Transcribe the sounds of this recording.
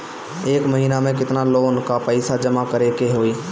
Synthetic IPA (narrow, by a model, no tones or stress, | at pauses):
eːkməɦiːnamẽkɪt̪naloːnkapəɪsad͡ʒəmakəɾekeɦoːiː